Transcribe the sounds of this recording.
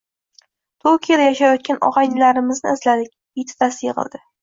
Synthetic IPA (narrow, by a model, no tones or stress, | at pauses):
t̪ʰokʲiad̪ajaʃajɒt̪̚kʲanʔɒ̰ʁɑjnɪlaɾɪmɪznɪ̰ːzlad̪ɪk̚ʲ | it̪ʰɪ̥t̪asɪjeʁɨ̰lˠd̪ɪ